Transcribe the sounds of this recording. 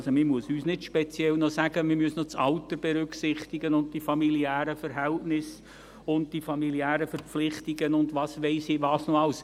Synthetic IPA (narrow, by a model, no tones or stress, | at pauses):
somɪmuəsyːsnɪtʃpɛt͡sjɛlnɔsæɡ̥əmɪmyəsnɔt͡sɑlt̪əɾb̥ɛɾʏksɪχtɪɡənʊnt̚d̥ifɑmiliæːɾəfəɾɦɛltnɪs | ʊnd̚d̥ifɑmiliæːɾəfəɾp͡flɪχtɪɡənʊndʋɑːsʋeɪsiːʋɑːsnɔɑls